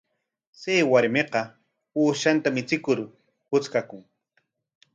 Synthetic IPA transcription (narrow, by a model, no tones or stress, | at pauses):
sejwaɾmeqɑ | uːʃant̪amɪt͡sɪkʊɾ | hʊt͡skakʊŋ